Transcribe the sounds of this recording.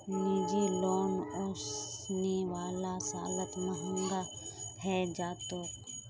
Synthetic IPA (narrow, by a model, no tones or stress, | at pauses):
niːd͡ʒiloːnɔːsneʋaːlasaːlət̪məɦɪ̃nd̪a | hɛd͡ʒaːt̪oːk